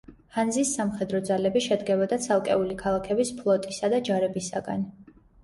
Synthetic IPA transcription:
hand̪zisːamχɛd̪ɾɔd̪zalɛbiʃɛd̪ɡɛbɔd̪at̪sʰalˠkʼɛ̰ulikʰalˠakʰɛbispʰlˠɔt̪ʼisad̪ad͡ʒaɾɛbisa̰ɡa̰n

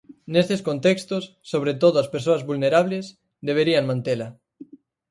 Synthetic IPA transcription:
nest̪eskont̪ekst̪ʊsːoβ̞ɾet̪oðʊaspeɾsoazβulneɾaβ̞les | d̪eβ̞eɾiaŋmãnt̪elɐ

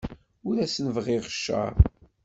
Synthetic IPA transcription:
ʊɾæsnəvʁɪʁʃːə̰ɾˤ

